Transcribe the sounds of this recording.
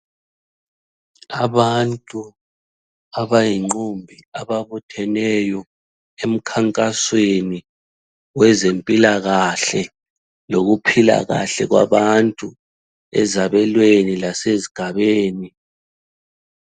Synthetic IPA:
aβantʼu | aβajiŋ͡ǃumbʱiaβaβutʰɛnɛjɔ | em̩kʰaŋkʼasweni | wɛzempʼilaɣaɬɛ | loɣupʰila̰ɣa̰ɬɛɣwa̰βantʼu | ɛ̰zaβɛlwenilaseziɡ̥ʱaβeːni

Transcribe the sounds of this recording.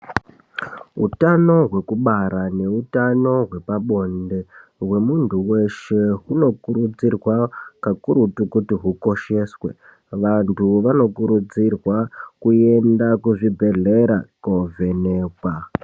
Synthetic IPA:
ɦṵtano̞ɦwe̞kuɓaɾane̞utano̞ɦwe̞paɓo̞nde̞ɦwe̞muntuwe̞ʃe̞ɦuno̞kuɾud͡zirwakakuɾutukutiɦuko̞ʃe̞swe̞̰ | ʋantʰuʋano̞kuɾud͡zirwakue̞ndakuʐibʱe̞ɮe̞ɾakove̞ne̞ːkwa

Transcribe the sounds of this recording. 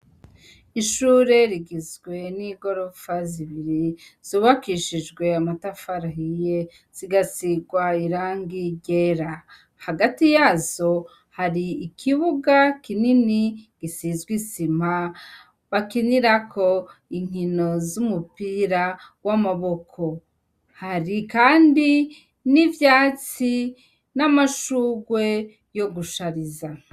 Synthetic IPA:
iʃuːɾe̞ɾiɡizɡwe̞niɡo̞ɾofaziβiɾiz̥oːβakiʃid͡ʒɡwe̞amatafaɾaɦije̞ | z̥iɡasiɡwaiɾaːŋɡiɟeɾa | haɡatijaːzo̞ | haɾiikʰiβuɡakininiɡ̥isizɡwisima | βakiniɾakʰo̞iŋ̥ino̞zumupiɾawamaβo̞kʰo̞ | haɾikaːndi | nivjaːt͡si | namaʃuːɡwe̞ | jo̞ɡuʃaɾiza

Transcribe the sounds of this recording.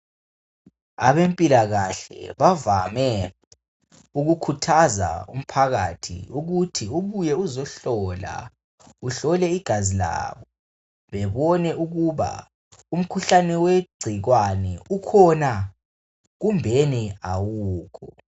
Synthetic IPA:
a̰βempʼilaɣaɬɛ̰βavamɛ | uɣukʰutʰaza̰ṵm̩pʰaɣatʰḭuɣutʰiuβujɛuzɔɬɔla̰ | uɬɔlɛiɡ̥ʱazila̰ːβɔ | βɛβɔnɛʔuɣuβa̰ | um̩kʰuɬanɛweɡ͡ǀʱiɣwanɛukʰɔna | ɣumbʱɛniawuːkʰɔ

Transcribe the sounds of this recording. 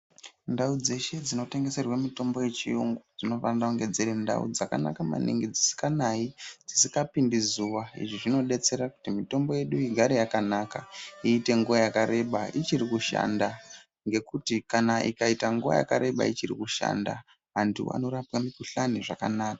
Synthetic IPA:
ndaud͡ze̞ʃe̞d͡zino̞te̞ŋɡe̞se̞rwamito̞mbo̞je̞t͡ʃiuŋɡod͡zino̞fandaoŋɡe̞d͡zeɾenda̰ṵd͡zaka̰na̰kama̰nḭŋɡed͡zisi̥kanaid͡zisikapindizuʋaḭʐiʐino̞ɗe̞t͡se̞ɾaku̥timito̞mbo̞je̞ɗuiɡʱaɾijakanakaiːte̞ŋɡuʋajakaɾe̞ɓait͡ʃirikuʃa̰nda | ŋɡe̞kutikanaʔḭkaitaŋɡuʋa̰ja̰ka̰ɾe̞ɓa̰it͡ʃirḭkuʃa̰nda̰ | ɦantʰṵa̰no̞ɾapwamikuɬaniʐaka̰naːkḁ

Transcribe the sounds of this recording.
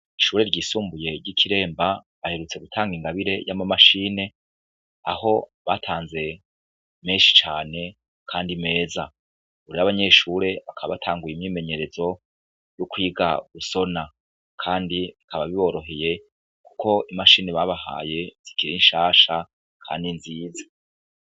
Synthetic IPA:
iʃuːɾe̞ɾɟiːsuːmbuje̞ɾɟikʰiɾe̞ːmbaβahe̞ɾut͡se̞ɡutʰaːŋɡiŋɡaβiɾe̞jamamaʃine̞ | a̰ho̞βaːtʰaːnze̞ | meːnʃi̥t͡ʃaːne̞ | kʰaːndime̞ːza | uɾiɾaβaɲe̞ʃuɾe̞βakaβa̰βatʰaːŋɡujimɲiːme̞ɲe̞ɾe̞zo̞ | jukwiːɡa̰ɡ̥uso̞na | kʰaːndiikʰaβaβiβo̞ːɾo̞ɦe̞je̞ | ku̥kʰo̞ʔimaʃiːneβaβaha̰ːje̞z̥ikiɾinʃaːʃa | kʰa̰ːndinziːzḁ

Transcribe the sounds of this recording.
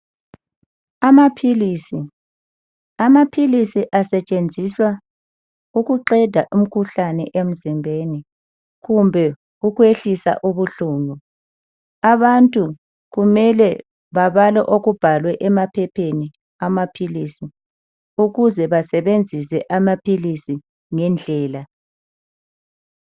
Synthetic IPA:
amapʰilisi | amapʰilisiʔasɛt͡ʃʼend͡zʱiswa | uɣuǃɛd̥ʱaʔum̩kʰuɬanɛ̰ʔem̩zimbʱeːni | ɣumbʱɛ | uɣweɬisa̰ʔuβuɬuːmu | aβantʼu | ɣumɛlɛ | βaβalɛ̰ʔoɣub̥ʱalwɛʔɛmapʰɛpʰeni | amapʰilisi | uɣuzɛβasɛβend͡zʱisɛʔamapʰilisi | ŋɛnd͡ɮʱɛːla

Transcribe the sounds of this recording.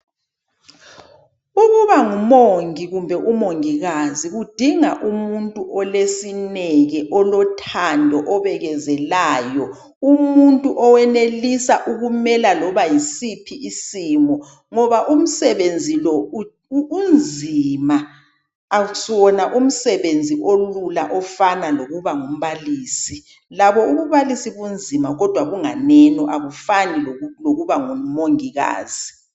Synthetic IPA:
uɣuβaŋumoŋiɣumbʱɛʔumoŋiɣaziɣud̥ʱiŋa̰ʔumuntʼuʔɔlesinɛɣɛʔɔlɔtʰandʱɔʔɔβɛɣɛzɛlaːjɔ | umuntʼuʔɔwɛnelisaʔuɣumɛlalɔβajisipʰiʔisiːmɔ | ŋɔβaʔum̩sɛβend͡zʱilɔuː | nd͡zʱimaː | sɔnaʔum̩sɛβend͡zʱiʔolulaʔɔfanaloɣuβaŋum̩βaliːsi | laβɔuβuβalisiβund͡zʱimaɣɔd̥ʱwaɣuŋa̰nɛnɔʔaβufanilloɣuβaŋumoŋiɣa̰ːz̥i

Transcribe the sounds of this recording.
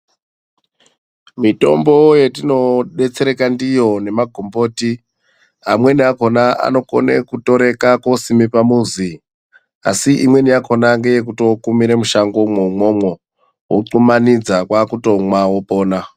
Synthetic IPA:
mito̞̰mbo̞je̞tino̞ɗe̞t͡se̞ɾe̞kandijo̞ne̞maɡʱombo̞ːti | ɦamwe̞niako̞naa̰no̞ko̞̰ne̞kuto̞ɾe̞kakosimipamuzi | a̰siʔimwe̞niakʰo̞naŋɡe̞je̞k̬uto̞kumiɾemuʃaŋɡomumwo̞mwo̞ | woǃumanid͡zakwakuto̞mwawopo̞ːna

